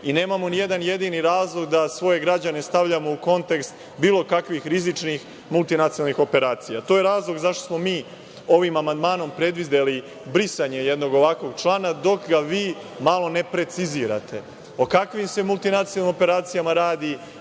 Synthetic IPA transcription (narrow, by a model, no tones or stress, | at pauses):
ine̞ːmamo̞nije̞d̪anje̞d̪iniɾaːzlˠo̞ɡd̪asʋo̞je̞ɡɾad͡ʑane̞st̪aʋʎamo̞uko̞nt̪e̞kst̪ | biːlˠo̞kakʋixɾizit͡ʃnix | mulˠt̪inat̪sioalnixo̞pe̞ɾaːt̪sijat̪o̞ːjeɾaːzlˠo̞ɡzaʃt̪osmo̞miː | o̞ʋimamand̪maːno̞mpɾe̞d̪ʋid̪eli | bɾisaɲe̞je̞d̪no̞ɡo̞ʋakʋo̞ɡt͡ʃlˠaːnad̪o̞kɡaʋiː | malˠo̞ne̞pɾe̞t̪siziːɾa̰t̪ʰe̞ | okakʋimse̞mult̪inat̪iolːimo̞pe̞ɾaːt̪sijamaɾaːd̪i